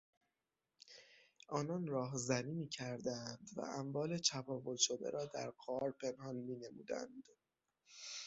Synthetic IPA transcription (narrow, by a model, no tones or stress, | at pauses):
ʔɒːnɒːnrɒːɦzæniːmiːcʰæɾd̪ænd̪væ̰ʔæmvɒːle̞t͡ʃʰæfɒːvo̞lʃo̞d̪ḛɾɒːd̪æ̰ɾɢɒːɾpʰe̞nhɒnmiːne̞mṵːd̪æ̰nd̪̥